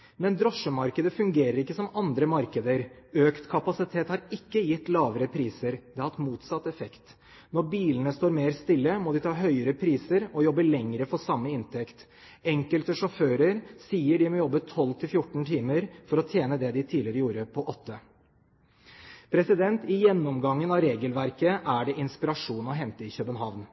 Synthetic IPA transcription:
mɛnd̪ɾɔʂəmɑɾkəd̪əfʉŋɡeːɾəɾɪkːəsɔmɑnd̪ɾəmɑɾkəd̪əɾ | øːkt̪kʰɑpɑsɪt̪ʰeːt̪hɑɾɪkːəjɪt̪ːlɑːʋəɾəpʰɾiːsəɾd̪ɛhɑhɑt̪muːt̪sɑt̪ːɛfɛkt̪ | nɔɾbiːlənəst̪oːɾmeːɾst̪ɪlːəmɔd̪ɪt̪ʰɑːɦœʏəɾəpʰɾiːsəɾɔjɔbːəlɛŋɾəfɔɾsɑmːəɪnt̪ʰɛkt̪ | ɛŋkəlt̪əʂɔføːɾəɾsiːəɖɪmɔjɔbːət̪ʰɔlːt̪ʰɪlfjʊʈːɳ̩t̪ʰiːməɾfɔɾɔt̪ʰjeːnəd̪ɛd̪ɪt̪ʰiːlɪɾəjuːɾəpʰɔʔɔt̪ʰːə | pʰɾɛsɪd̪ɛnt̪ɪjɛnːɔmɡɑŋːənɑʋɾeːɡəlʋæɾkəʔæɖɛʔɪnspɪɾɑʂuːnɔɦɛnt̪əɪçœbənɦɑʋn

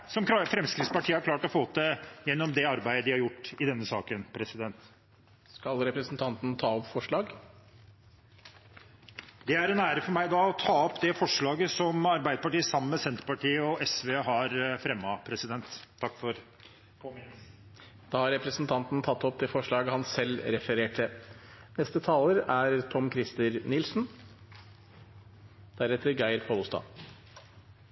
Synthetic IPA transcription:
sɔmfɾɛmskɾɪt̪spɑʈʰiːəhɑɾkʰlɑːʈɔfoːt̪əjɛnːɔmd̪ɛɑɾbæɪd̪əd̪ɪhɑɾjʊʈːɪd̪ɛnːəsɑːkənpʰɾɛsɪd̪ɛnt̪ | skɑlɾɛpɾəsnt̪ʰɑnt̪nt̪ʰɑːɔpfɔʂɭɑːɡ | d̪ɛæɾɛnæːɾəfɔɾmæɪd̪ɑːɔt̪ʰɑːɔpd̪ɛfɔʂɭɑːɡəsɔmɑɾbæɪd̪əpɑʈiːəsɑmːəmɛsɛnt̪ɾpɑʈiːəɔʔɛsʋeːɦɑɾfɾɛmːɑpʰɾɛsɪd̪ɛnt̪ʰːɑkːfɔɾ | d̪̥ɑːhɑɾɛpɾəsn̩t̪ʰɑnt̪nt̪ʰɑt̪ːɔp̚d̪ɛfɔʂɭɑːɡəhɑnsɛlːɾɛfəɾeːʈʰənɛst̪ət̪ʰɑːləɾæɾt̪ʰɔmkʰɾɪst̪əɾnɪlsn | d̪̥æɾɛt̪ːəɾɡæɪɾpʰolʊst̪ɑ̰ː

